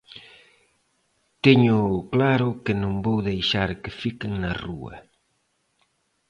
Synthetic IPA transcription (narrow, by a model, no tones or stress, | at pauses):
t̪eɲʊklaɾʊkɪnõŋbowðejʃaɾkɪfikɪŋnɐruɐ̰